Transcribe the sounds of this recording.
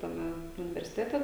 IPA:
tɐˈmʲɛ ʊnʲɪʋʲɛrʲsʲɪˈtʲæːtʲɛ

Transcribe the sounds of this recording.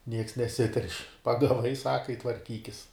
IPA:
nʲiɛks nʲɛˈsʲɪtʲɛrʲʃʲ pɐɡɐˈʋɐɪ ˈsɑːkɐ ɪ tʋɐrʲˈkʲiːkʲɪs

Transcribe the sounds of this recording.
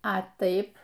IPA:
ɐ ˈtɐɪp

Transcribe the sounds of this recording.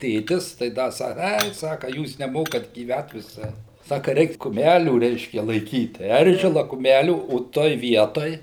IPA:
ˈtʲeːtʲɪs tɐɪ ˈdɐ ˈsɑːkɐ ˈɐɪ ˈsɑːkɐ ˈjuːs nʲɛˈmoːkɐt ɡʲiːˈʋʲæt ʋʲɪˈsɐɪ ˈsɑːkɐ ˈrʲɛɪk kʊˈmʲælʲuː ˈrʲɛɪʃʲkʲɛ lˠɐɪˈkʲiːt ˈɛrʲʒʲɪlˠɐ kʊˈmʲælʲuː oː ˈtoːj ˈʋʲiɛtoːj

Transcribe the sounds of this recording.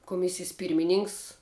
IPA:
kʊˈmʲɪsʲɪjɛs ˈpʲiːrʲmʲɪnʲɪŋks

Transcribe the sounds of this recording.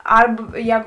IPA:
ˈɐrp ˈjɛːɡʊ

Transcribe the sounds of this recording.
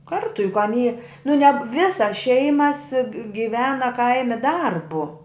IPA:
ˈkɐrtʊ jʊk ɐˈnʲiː nʊ nʲɛ ˈʋʲɪsɐs ˈʃʲɛɪmɐs ɡʲɪˈʋʲæːnɐ ˈkɐɪmʲɪ ˈdɐrbʊ

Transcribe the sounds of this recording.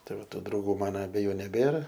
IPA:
ˈtɐɪ ˈʋɐ ˈtuː drɐʊˈɡuː ˈmɑːnɐ ɐbʲɛˈjuː nʲɛˈbʲeːrɐ

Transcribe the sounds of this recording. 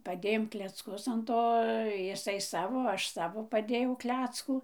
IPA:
pɐˈdʲeːjoːm klʲɛt͡sˈkʊs ɐn ˈtoː jɪˈsɐɪ ˈsɑːʋoː ˈɐʃ ˈsɑːʋoː pɐˈdʲeːjɛʊˈklʲæːt͡skuː

